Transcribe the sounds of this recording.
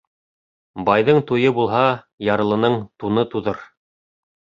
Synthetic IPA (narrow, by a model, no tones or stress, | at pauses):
bɑjðɤɴt̪ujɤbulˠɦɑ | jɑɾɤ̆lˠɤ̆nɤɴt̪unɤt̪uðɤɾ